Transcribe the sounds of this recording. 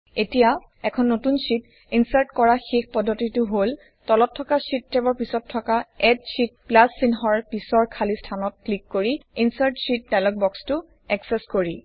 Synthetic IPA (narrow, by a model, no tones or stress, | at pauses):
etija | ɛkʰɔnːotunsit | insaɹtkɔɹaxexpɔdʱːotitʊɦol | tɔlɔtʰːɔkasitːɛbɔɹpisɔtʰːɔkaɛtsit̚plasːinɦɔɹpisɔɹkʰalistʰanɔt̚klikːoɹiinsaɹtsit̚dalɔk̚bɔkstʊ | ɛksɛskoɹi